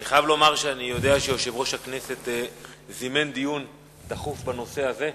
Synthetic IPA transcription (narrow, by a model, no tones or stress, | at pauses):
aniχajavlomaʁʃeanijo̞d̪eaʃejo̞ʃe̞vʁo̞ʃhakne̞se̞t̪zimend̪ijun | d̪aχufbano̞se̞aze̞